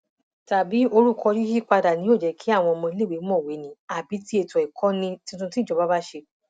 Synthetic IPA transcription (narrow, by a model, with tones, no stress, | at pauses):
ta˨bi˨˦o˧ɾu˦˨kʰɔ˧d͡ʒi˦d͡ʒi˦k͡pa˧da˨nĩ˨˦o˦˨d͡ʒɛ˨˦kʰi˨˦a˦˨w̃ɔ̃˧ɔ˧mɔ̃˧i˧le˦˨e˨˦mɔ̃˦˨we˨˦nĩ˨˦a˨bi˨˦ti˦e˧˨tɔ̃˨i˨kʰɔ̃˦nĩ˧tĩ˧˦˧tũ˧tĩ˦˨d͡ʒɔ˨˧˦ba˦ba˦ʃe˧